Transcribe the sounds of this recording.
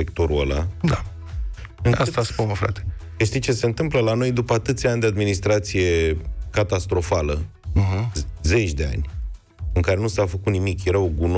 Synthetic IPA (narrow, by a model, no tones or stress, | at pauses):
ekt̪oɾuo̰la̰d̪a | ast̪aspunəfɾa̰t̪e̥kəʃt̪it͡ʃe̞se̞nt̪ɨmpləlano̞jd̪upəat̪ɨt̪sʲanʲd̪ead̪minist̪ɾat̪sije̞kat̪ast̪ɾo̞falə | ɦze̞t͡ʃʲd̪e̞a̰nʲ | ɨŋkaɾe̞nusafəkut̪nimikjeɾaoɡun